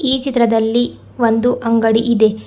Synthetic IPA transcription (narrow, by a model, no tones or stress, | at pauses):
iːt͡ʃit̪ɾɐd̪ɐlːi | ʋond̪uʔɐŋɡɐɽiʔid̪e̞